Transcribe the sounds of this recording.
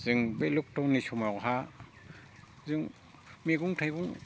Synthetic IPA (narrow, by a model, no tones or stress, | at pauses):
z̥ɯŋbeluk̚tɔwnisumawɦa | zɯŋ | meɡuŋtʰajɡuŋ